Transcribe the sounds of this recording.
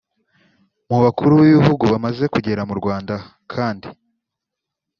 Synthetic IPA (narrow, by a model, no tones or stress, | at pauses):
muβakuɾuβiβihuɡuβamaze̞kuɟe̞ɾamuɾɡwaːnda | kʰaːndḭ